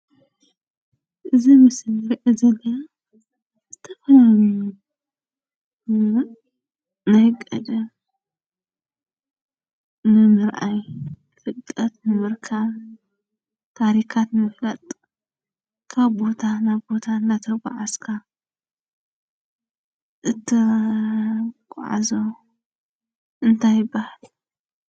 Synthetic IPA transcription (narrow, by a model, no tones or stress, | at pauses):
ʔɨzimɨsɨlɨɾʔɨzɐlːɐ | zɨt̪ʰɐfɐlnj | nɐhɨkʼːɐd̪ɨ | nɨmɨɾʔaj | fɨkʼːɐt̪nɨmɨɾkʰaβ | t̪ʰaɾikʰat̪mɨflɐt̪ʼ | kʰaβbo̞t̪ʰanaβbo̞t̪ʰand̪at̪ʰɐɡʷa̰ʕaskʰa | ʔɨt̪ʰɨ | kʼʕa̰zo | ʔɨnt̪ʰajɪbːahal